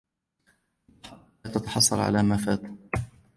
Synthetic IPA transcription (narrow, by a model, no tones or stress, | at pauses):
t̪at̪ɑ̥ħɑsˤːɑlʕa̰laːmaːfaːt̪